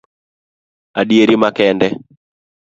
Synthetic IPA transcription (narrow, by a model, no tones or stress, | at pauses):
aɗieɾimakɛndɛ